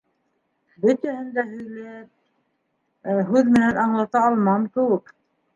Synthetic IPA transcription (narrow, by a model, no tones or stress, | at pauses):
bɘ̆t̪æhɘ̆nd̪æɦɵ̆jlæ | ɦʉðmɘ̆nænɑɴlˠɑt̪ɑːlˠmɑmkɘ̆wɘk